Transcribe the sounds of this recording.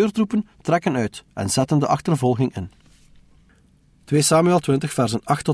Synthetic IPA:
øːrtrupəntrɛkənœɥtʔɛ̰nz̥ɛtəndəʔɑxtərvɔlˠɣɪŋɪ̰n | tweːsaːmyɛlˠtwɪntəxfɛrzənɑxtːɔ

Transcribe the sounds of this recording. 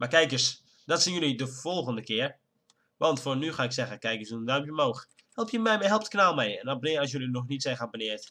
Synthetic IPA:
makɛjkəs | dɔtsinjølidəfɔlˠɣəndəkɪər | ʋɔntfoːnyxaɪksɛɣənkɛjkəsuəndœɥmpjəmoːx | hɛlˠpʰjəmɛjmɛɦɛlˠptknalˠmɛjɛnɔbənɪːɔsjølinɔxnitsɛjxabənɪət

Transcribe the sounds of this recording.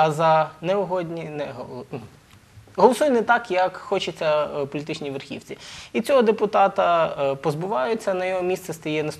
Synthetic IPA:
ɐzɐnɛʊɦɔd̪ʲnʲinɛɦɔnu | ɦɔlˠɔsujʊnɛt̪ɑkjɐkxɔt͡ʃɪt͡sʲːɐpɔlʲt̪ɪt͡ʃnʲiʋerxʲḭwt͡sʲiit͡sʲɔɦɔd̪epʊt̪ɑt̪ɐpɔzbʊʋɑjʊt͡sʲːɐnɐjɔɦɔmʲist̪sɛst̪ɐjɛnɐs

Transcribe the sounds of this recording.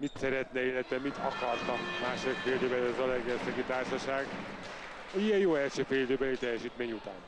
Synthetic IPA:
mit̪sɛɾɛt̪nɛeːlːɛt̪ɛmit̪ɒ̰kɒrt̪ɒmːaːʃodikfeːld̪øːbɛlɛzɒzɒlɛɡɛsɛkit̪aːrʃɒʃaːɡ | ijɛjjoːɛlʃøːfeːd̪øːbɛlit̪ɛjːɛʃiːt̪meːɲut̪a̰ːn

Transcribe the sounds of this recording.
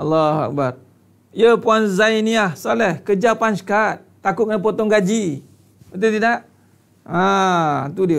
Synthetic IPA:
ɑlːaha̰k̚bar | iəpuanzajniahsalɛhkəd͡ʒapansə̥kat̪̚ːakʊʔ̚ap̬ot̪ɔŋɡad͡ʒi | ət̪̬ət̪idaʔ | ãt̪udiə

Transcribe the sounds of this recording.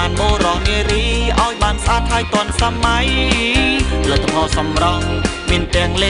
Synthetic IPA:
aːnmoːrɑhŋiəɾiːʔa̰ɔjɓaːnsʔaːt̪ʰaːjt̪ŏənsaːmaj | lət̪ːəpʰɑːsɑmrɑnmiənt̪ɛ̆əŋleː

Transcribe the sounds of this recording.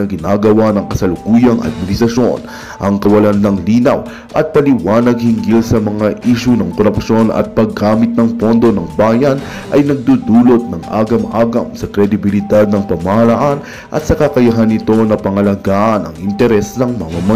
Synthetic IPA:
ɐɡɪnaːɡɐwanɐŋkɐsɐlʊkuːjɐŋʔɐ̰d̪̚mɪnɪsɐʃo̞n | ʔɐŋkɐwɐlanlɐŋliːnɐw | ʔɐt̪̚pɐlɪwaːnɐɡ̚hɪŋɡilsɐmɐŋaʔiːʃunɐŋkoɾɐpʃo̞nɐ̰t̪̚pɐɡaːmɪt̪̚nɐŋpo̞nd̪o̞nɐŋbaːjɐn | ʔɐjnɐɡ̚d̪ud̪uːlo̞t̪̚nɐŋʔa̰ːɡɐmʔaːɡɐmsɐkɾɛd̪ɪbɪlɪd̪ad̪̚nɐŋpɐmɐhɐlaʔan | ʔɐ̰t̪̚sɐkɐkɐjɐɦanɪt̪o̞nɐpɐŋɐlɐɡaːʔɐnɐ̰ŋɪnt̪ɛɾɛsnɐŋmɐmɐmɐ

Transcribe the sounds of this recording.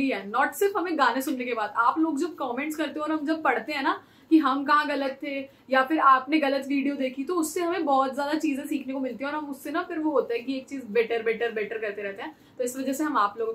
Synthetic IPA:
iɦɛːnɔːʈsɪɾfɦɐmẽɡaːnẽsʊnːekebaːd̪aːploːɡd͡ʒɐb̚kɔːmɛ̃ːɳʈskɐɾt̪eɦɛ̃ɔːɾɦɐmd͡ʒɐb̚pɐɽ̤t̪eɦɛ̃ːna | kiɦɐmkɐɦãɣɐlət̪ʰːe | jafɪɾaːpneɣɐlət̪ʋiːɖijod̪eːkʰit̪oʊsːeɦɐmẽbɔːt̪zjaːd̪at͡ʃiːzẽsiːkʰnekomɪlt̪iɦɛ̃ɔːɾɦɐmʊsːenafɪɾʋoɦoːt̪eɦɛ̃kieːk̚t͡ʃiːzbɛːʈəɾbɛːʈəɾbɛːʈəɾkɐɾt̪eɾɛɦt̪eɦɛ̃ː | t̪oɪsʋɐd͡ʒɛseɦɐmaːploːɡ̃

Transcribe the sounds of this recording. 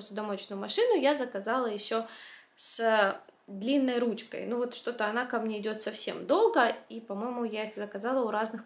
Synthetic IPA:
sʲʊd̪ɐmot͡ɕnʊjʊmɐʂɨnʊjazəkɐzalˠəjɪɕːo | s | d̪lʲinːəjɾut͡ɕkə̰jnuvo̞t̪ʂt̪o̞t̪əɐnakɐmnʲe̞ɪdʲo̞t̪sɐfsʲe̞̰md̪o̞lˠɡəipɐmo̞jɪmʊjaixzəkɐzalˠəʊɾaznɨx

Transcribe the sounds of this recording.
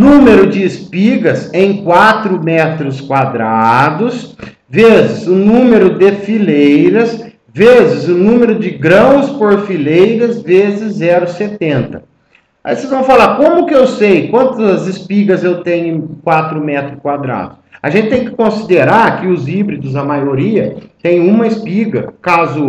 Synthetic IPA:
nũmeɾʊd͡ʒɪːspiɡɐsẽj̃kwat̪ɾʊmɛt̪ɾʊskwad̪ɾad̪ʊs | vezɪzʊnũmeɾʊd̪ɪfilejɾɐs | vezɪzʊnũmeɾʊd͡ʒɪɡɾɐ̃w̃spoɾfilejɾɐzvezɪzɛɾʊset̪ẽnt̪ɐ | a̰iseznɐ̃w̃falaɾkõmʊkɪewsejkwɐ̃nt̪ɐzɐzɪspiɡɐzewt̪ẽɲʊ̃kwat̪ɾʊmɛt̪ɾʊkwad̪ɾa̰d̪ʊsɐ̰ʒẽnt͡ʃɪt̪ẽj̃kɪ̥kõsid̪eɾaɾkɪʊzibɾid̪ʊzɐmajoɾiɐt̪ẽj̃ũmɐɪspiɡɐ̰kazʊ

